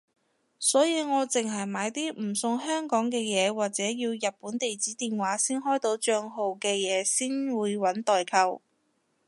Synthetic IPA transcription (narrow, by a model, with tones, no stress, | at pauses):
sɔː˨˥jiː˨˧ŋɔː˨˧t͡sɪ˨ŋɦɐ˨jmaː˨˧jt̪iː˥m̩˨˩sʊ˧ŋhœː˥ŋkɔː˨˥ŋkɛː˧jɛː˨˧waː˨k̚t͡sɛː˨˥jiː˧wjɐ˨t̚puː˨˥nt̪e˨jt͡siː˨˥t̪iː˨nwaː˨˥siː˥nɦɔː˥jt̪o˨˧˥wt͡ʃœː˧ŋɦo˨wkɛː˧jɛː˨˧siː˥nwuː˨˧jwɐ˨˥nt̪ɔː˨jkʰɐ˧w